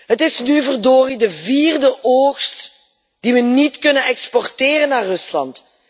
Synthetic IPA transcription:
ɦətɪsnyvərdoːridəviːrdəʔoːxst | d̥iʋənitkɵnənɛkspɔrtɪːrənːaːrɵslɑnt

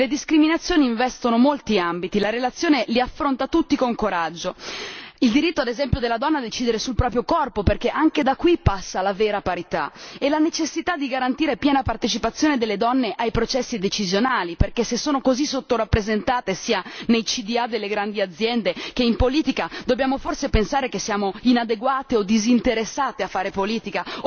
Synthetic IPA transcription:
led̪iskɾiminat̪sːjoːniːɱvɛst̪onomolt̪iambit̪ilaɾelat̪sːjoːneliafːɾont̪at̪ut̪ːikoŋkoɾad͡ʒːo | ild̪iɾit̪ːoad̪ezɛmpjod̪elːad̪ɔnːad̪et͡ʃiːd̪eɾesulpɾɔːp̬ɾjokɔrpoperk̟eʔaŋked̪akːwipːasːalaveːɾapaɾit̪a̰elanet͡ʃesːit̪ad̪ːiɡaɾant̪iːɾepjɛːnapart̪et͡ʃipat̪sːjoːned̪elːed̪ɔnːeʔajpɾot͡ʃɛsːid̪et͡ʃizjonaːliperkesesːoːnokozisot̪ːoɾapːɾezent̪aːt̪esiːanejt͡ʃid̪iad̪elːeɡɾand̪iad̪zːjɛnd̪ek̟eimpoliːt̪ikad̪obːjaːmoforsepensaːɾek̟esːjaːmoinad̪eɡwaːt̪eod̪izint̪eɾesːaːt̪eafːaːɾepoliːt̪ika

